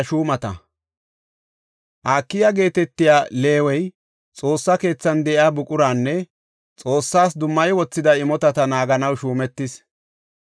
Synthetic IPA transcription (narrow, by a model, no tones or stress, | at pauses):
ʃuːmɐt̪ɐ | ʔaːkːɪjaɡe̞ːt̪ɛt̪ːɪjaːle̞ːwɛj | t͡sʼo̞ːsːɐke̞ːt͡sːɐnd̪ɛʔɪaːbʊkʼʊɾaːnːɛ | t͡sʼo̞ːsːaːsd̪ʊmːɐjwɔt͡sːɪd̪ɐɪmɔt̪ɐt̪ɐnaːɡɐnɐwʃuːmɛt̪ːɪs